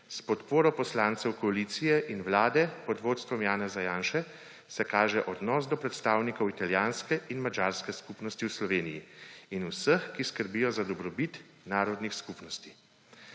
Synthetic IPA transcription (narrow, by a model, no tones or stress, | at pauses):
spɔt̪poːɾɔpɔslaːnt̪sɛwkɔalit̪sijɛʔinwlaːd̪ɛpɔd̪ʋoːt̪st̪ʋɔmjaːnɛzajaːnʃɛ | sɛkaːʒɛʔɔd̪nɔːsd̪ɔpɾɛt̪st̪aːwnikɔwit̪aljaːnskɛʔinmad͡ʒaːɾskɛskupnɔst̪iwslɔʋeːnijiːnusəxkiskəɾbiːjɔzad̪ɔbɾɔbit̪ | naːɾɔd̪nixskupnɔst̪i